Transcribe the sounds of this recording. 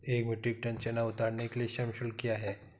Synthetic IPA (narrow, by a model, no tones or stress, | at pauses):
ekmjuʈik̚ʈə̃nt͡ɕenaut̪aɽnekelieɕɐmɕulkijaɦɛ